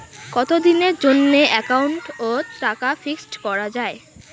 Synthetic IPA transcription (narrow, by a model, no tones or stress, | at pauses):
kɔt̪od̪ineɾd͡ʑonːeʔɛkauɳʈotɾakafiksʈkɔɾad͡ʑae